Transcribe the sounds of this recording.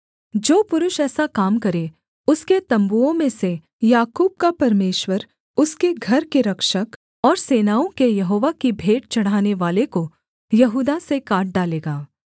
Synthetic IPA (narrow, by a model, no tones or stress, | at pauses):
d͡ʒoːpʊɾʊʃɛːsakaːmkɐɾe | ʊsket̪ɐ̃mbuõmẽse | jaːkuːb̚kapɐɾmeːʃwəɾ | ʊskeɡʱɐɾkeɾɐkʃək | ɔːɾseːnaːõkejɐɦoːʋakibʱeːʈ̚t͡ʃɐɽ̤aːneʋaːleko | jɐɦuːd̪asekaːʈ̚ɖaːleːɡaː